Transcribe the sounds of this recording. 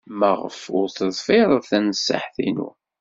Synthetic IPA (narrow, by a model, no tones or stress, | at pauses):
məʁəfʊɾθəðˤfɪɾˤəθænəsːa̰ħθinṵ